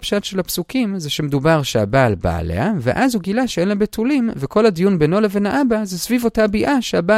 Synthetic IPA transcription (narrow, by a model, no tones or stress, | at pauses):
pʃatʃelapsukimzeʃemed̪ubaʁʃea̰baːlba̰a̰lḛhavḛʔazhuɡilaʃeenlambetʰulimvekʰo̞lhad̪ijunbeno̞levenaʔabazesvivo̞tabiʔaʃeaba